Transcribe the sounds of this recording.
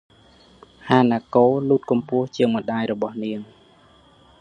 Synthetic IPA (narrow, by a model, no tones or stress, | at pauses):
haːnaːkoːluːt̪̚kɑmpʊ̆əht͡ɕiəŋmə̆ɗaːjrɔɓɑhniəŋ